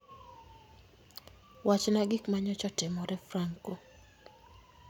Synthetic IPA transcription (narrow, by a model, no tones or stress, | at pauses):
wat͡ʃnaɡɪkmaɲɔt͡ʃɔtɪmɔɾɛfraŋko